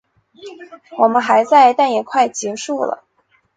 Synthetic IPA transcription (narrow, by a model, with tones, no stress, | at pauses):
wɔ˨˩mə˦nxa˧˥ɪt͡sa˥˧ɪt̪a˥˩njɛ˨˩kʰwa˥˩ɪt͡ɕjɛ˧˥ʂu˥˩lə̰˩